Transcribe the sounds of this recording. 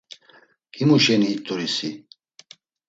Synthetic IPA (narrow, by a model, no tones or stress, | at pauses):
kʼimuʃɛniːt̪ʼuɾisi